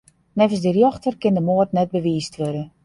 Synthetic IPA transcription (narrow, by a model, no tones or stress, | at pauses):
nɛvən̩sdərjɔxtərkɪndəmoərtnɛt̚bəʋiːstʰʋødə